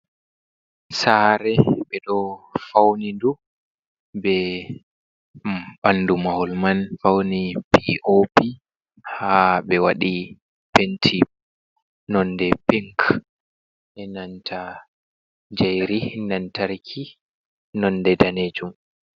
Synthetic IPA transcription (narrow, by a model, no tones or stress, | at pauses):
saːɾɛɓɛɗɔfawnidu | bɛ | banːdumahɔlmanfawnipiʔopi | habɛwaɗi | pentʰi | nɔndɛpiŋk | ʔɛnantʰa | d͡ʒajɾinantaɾkʰi | nɔndɛdaned͡ʒum